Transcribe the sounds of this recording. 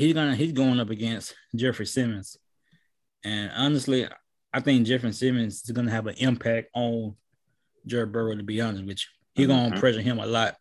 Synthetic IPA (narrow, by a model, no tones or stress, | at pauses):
hizɡʌnɨhizɡoʊɪ̃ŋʌpɨɡɛ̃nstd̥ʒ̥ɛfɹisɪ̃mɨ̃nz̥ | ɨ̃nɑnɨstˡli | aɪθɪ̃ŋk̚d̥ʒ̥ɛfɹɨ̃nsɪmɨ̃nzɨzɡʌnɨːvɨ̃nʔɪ̃mpʰæk̚tn | d͡ʒɜ˞bɜ˞əɾɨbiʌ̃ndəwɨt͡ʃ | hiɡõñnpʰɹ̥ɛʒə̃˞ŋɨ̃mə̰lɑt̚